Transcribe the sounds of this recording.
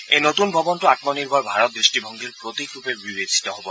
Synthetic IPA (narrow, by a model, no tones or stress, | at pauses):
ejnot̪unbʱɔbɔnʈuatmɔniɾbʱɔɹbʱaɹɔt̪̚d̪ɾisʈibʱɔŋɡʱiɾpɾot̪ikɾupebibed͡ʒʱi̥t̪ɔɦobɔ